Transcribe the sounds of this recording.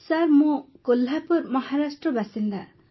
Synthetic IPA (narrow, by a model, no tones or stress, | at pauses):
saɾmokolːapuɾmʌhaɾasʈrʌbasind̪a